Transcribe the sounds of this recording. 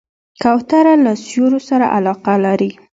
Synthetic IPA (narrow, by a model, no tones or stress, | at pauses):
kawt̪aɾalasjoɾosaɾa̰ʔalɑqalaɾi